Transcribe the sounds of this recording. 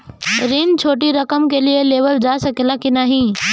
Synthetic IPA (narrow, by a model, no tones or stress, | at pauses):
ɾint͡ʃʰoːʈiɾɐkəmkelieleːbəld͡ʒaːsɐkelakinaːɦĩː